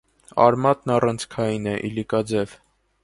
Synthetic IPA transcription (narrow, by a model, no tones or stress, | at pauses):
ɑ̰ɾmɑt̪nɑrɑnt͡sʰkʰɑjinɛʔḭlikɑd͡zɛv